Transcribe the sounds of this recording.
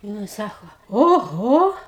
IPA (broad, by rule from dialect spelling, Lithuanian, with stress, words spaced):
ˈnʊ ɪ ˈsɑːkoː oːˈɣoː